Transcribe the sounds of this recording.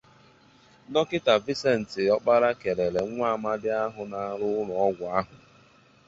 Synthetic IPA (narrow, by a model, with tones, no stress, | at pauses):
nɔ˦kɪ˦ta˨vi˦se˦n̩˨tɪ˨ɔ˦k͡pa˦ɾa˦ke˨ɾe˨ɾe˨˦ŋʷaː˦˨ma˦dɪ˦a˦ɦʊ˨na˨˦ɾʊ˦ʊ˦lɔ˨˦ɡʷa˨a˦ɦʊ˨